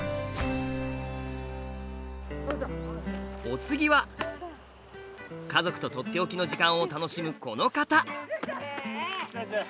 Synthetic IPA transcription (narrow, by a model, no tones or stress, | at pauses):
o̞t͡sɨɡʲiβa | kazo̞kɯ̥t̪o̞t̪o̞t̪ːe̞o̞kʲino̞ʑikãɰ̃o̞t̪ano̞ɕimɯ̟ko̞no̞kat̪a